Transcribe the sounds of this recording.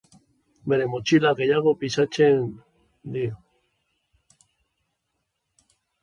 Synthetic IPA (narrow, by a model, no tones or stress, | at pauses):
beɾemot͡ʃilakejaɣopisat͡ʃen | d̪io